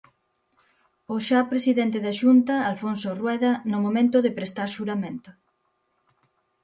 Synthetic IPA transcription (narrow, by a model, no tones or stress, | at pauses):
oʃapɾesiðɛnt̪eðaʃunt̪ɐalfonsorwɛðɐnʊmomẽnt̪ʊðɪpɾest̪aɾʃuɾamẽnt̪ʊ